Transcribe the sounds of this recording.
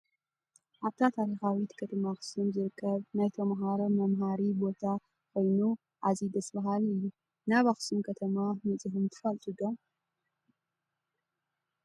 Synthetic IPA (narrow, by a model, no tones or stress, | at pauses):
ʔaβt̪ʰat̪ʰaɾixawit̪kʰɐt̪ʰɐmaxsɨmzɨɾɨkʰːɐβnajt̪ʰɐmɦaɾɐmɐmɦaɾibo̞t̪ʰa | kʰo̞jnu | ʔazid̪ɐsbɐɦalɨjːu | naβaxsumkʰɐt̪ʰɐmamɨt͡sʼɨhɨmt̪ʰɨ̥fɐlt̪ʼud̪ɐ